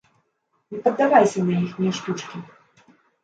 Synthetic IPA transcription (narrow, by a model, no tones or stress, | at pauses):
nʲɛpɐd̪ːavajsʲɐnɐjixmʲɛʂt̪ʲut͡ʂkʲi